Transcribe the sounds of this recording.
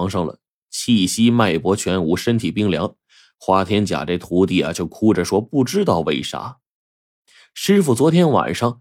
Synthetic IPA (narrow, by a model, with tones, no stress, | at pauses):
ŋʂɤ˥ŋlə̰˨ | t͡ɕʰi˥˩ɕi˥ma˥˩ɪpwɔ˧˥t͡ɕʰɥɛ˧˥nu˧˥ʂə˥nt̪ʰi˨˩pi˥˩ŋljɑ̰˧˥ŋ | xwa˥t̪ʰjɛ˥nt͡ɕja̰˨˩ʈ͡ʂe˥˩ɪt̪ʰu˧˥t̪i˥˩ɐ̰˩t͡ɕjo˥˩ʊkʰu˥ʈ͡ʂə˨ʂwɔ˥pu˥˩ʈ͡ʂɻ̩˥t̪ɑ˥˧ʊwe˥˩ɪʂa̰˥ | ʂɻ̩˥fu˨˩t͡swɔ˧˥t̪ʰjɛ˥nwa̰˨˩nʂɑ˥˧ŋ